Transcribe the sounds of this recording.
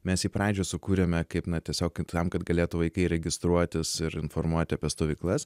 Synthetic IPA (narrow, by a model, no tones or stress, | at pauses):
mʲɛsiːpɾɑːd͡ʒʲoːsʊkuːɾʲɛmʲɛkɐɪpnɐt̪ʲiɛsʲoːkt̪ɐmkɐt̪ɡɐlʲeːt̪ʊʋɐɪkɐɪɾʲɛɡʲɪst̪ɾuɔt̪ʲɪsɪɾɪnfoɾmuɔt̪ʲɪɐpʲiɛst̪oːʋʲiːklˠɐs